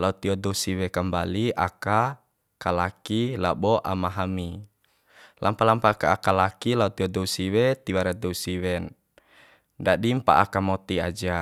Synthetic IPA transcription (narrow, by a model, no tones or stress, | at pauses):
laut̪iɔdɔsiwɛkəmbaliʔa̰ka | kalakilabɔʔa̰maɦami | lʔampalampaːkaːkalakilaut̪iɔdɔusiwɛt̪iwaɾad̪ɔusiwɛn | dadimpa̰ʔa̰kamɔt̪ia̰d͡ʒa